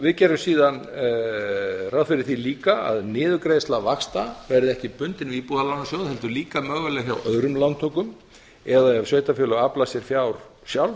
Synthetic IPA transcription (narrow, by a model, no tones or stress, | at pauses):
vɪðcɛːɾʏmsiːðan | rawðfɪɾɪɾ̥θiliːkaa̰ðnɪːðʏkɾejst̪lavakst̪avɛɾðɪɛhcɪpʏnt̪ɪnviːpuːðalawnasjowðhɛlt̪ʏɾliːkamœɣɛlɛçawʔœðɾʏmlant̪ʰɔkʏm | ɛðaɛvsjœːɥjt̪afjʏlʏɣaplasjɛɾ̥fjawɾ̥ | sjawl